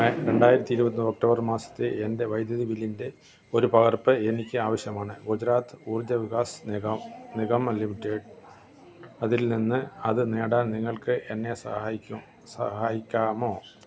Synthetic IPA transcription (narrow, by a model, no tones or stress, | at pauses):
ɾe̞ɳɖaːjiɾɐt̪ːiːɾubɐt̪ːiok̚ʈoːbɐrmaːsɐ̥t̪ːɨende̞ʋɐjd̪jɐðibilinde̞ | o̞ɾupɐɣɐrpɨe̞nikʲːɨaːʋɐɕjɐmaːɳɨɡud͡ʑɐɾaːt̪ːɨ̥uːrd͡ʑɐʋiɣaːsɐniɣɐmlimiʈːeːɖ | ɐðilninːɨɐðɨneːɽaːnniŋːɐɭkɨʔe̞nːe̞sɐau | sɐɦaːjikʲːaːmo̞ː